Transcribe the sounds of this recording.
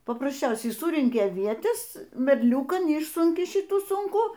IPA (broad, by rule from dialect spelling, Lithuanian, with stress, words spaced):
pɐprɐsʲˈt͡ʃʲɛʊsʲɛɪ ˈsʊrʲɛŋʲkʲɪ ɐˈʋʲiɛtʲɛs mʲɛrʲˈlʲuːkɐn ˈɪʃsʊŋʲkʲɪ ˈʃʲɪtuː ˈsʊŋkuː